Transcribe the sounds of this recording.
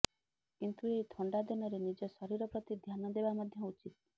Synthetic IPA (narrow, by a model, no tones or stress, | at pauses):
kint̪ueɦit̪ʰɔɳɖad̪inɔɾenid͡ʒɔsɔɾiɾɔpɾɔt̪id̪ʱjanɔd̪ebamad̪ʱjɔut͡ʃit̪̚